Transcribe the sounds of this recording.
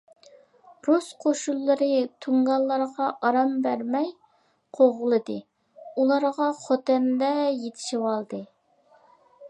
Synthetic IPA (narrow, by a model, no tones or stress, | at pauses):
ɾosqʰoʃulˠːɨɾɨt̪ʰuŋɡɑlˠːɑɾʁɑʔɑɾɑmbæɾmɛj | qʰoʁʊlˠɨd̪ɨ | ulˠɑɾʁɑχot̪ɛnd̪ɛjet̪ʰɪ̥ʃiwɑlˠd̪ɨ